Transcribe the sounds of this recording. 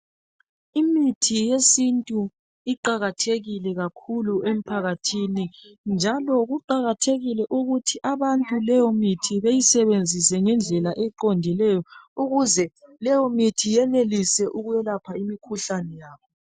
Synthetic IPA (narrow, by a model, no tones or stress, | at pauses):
imitʰijesintʼu | iǃaɣatʰeɣilɛɣakʰuluem̩pʰaɣatʰinind͡ʒʱalɔɣuǃaɣatʰeɣilɛʔuɣutʰiʔaβantʼulɛjɔmitʰiβejisɛβend͡zʱisɛŋɛnd͡ɮʱɛlaʔɛǃondʱilɛjɔuɣuzɛlɛjɔmitʰijɛnelisɛʔuɣujɛlapʰaimikʰuɬanɛjaːβɔ